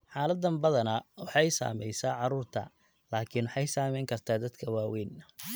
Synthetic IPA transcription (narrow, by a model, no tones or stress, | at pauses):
ħɑːlɐd̪ːɐmbɐðɐnɐwɑħɑjsa̰ːmɛjsaːʕɑɾuːrt̪ʰɐ̰ | laːkʰiːnwɑħɑjsaːmɛjŋkʰɐrt̪ʰaːd̪ɐd̪kʰɐwaːwɛːnɐ